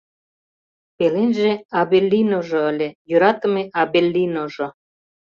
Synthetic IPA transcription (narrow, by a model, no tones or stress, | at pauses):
pelenʒeɑbelʲːinoʒɤ̆əlʲejøɾɑt̪ə̆meʔɑbelʲːinoʒŏ